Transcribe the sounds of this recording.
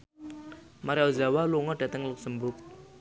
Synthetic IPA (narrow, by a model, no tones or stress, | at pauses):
maɾeɔzawaluŋɔɖ̥a̤t̪əŋluk̚səmbʊk̚